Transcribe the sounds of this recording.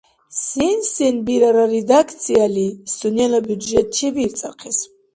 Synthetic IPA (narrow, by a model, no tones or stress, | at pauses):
sinsinbiɾaɾaɾid̪akʰt̪sʰialisunialɔbjud̪ʒɛt̪̚ʼʃiviɾt̪sʼa̰qʰɛs